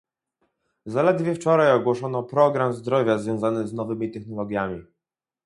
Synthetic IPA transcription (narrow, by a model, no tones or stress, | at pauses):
zalɛd̪vʲjɛft͡ʂɔɾajɔɡwɔʂɔnɔpɾɔɡɾamzd̪ɾɔvʲjazvʲjɔ̃w̃zanɘznɔvɘmʲit̪ɛxnɔlɔɡʲjamʲi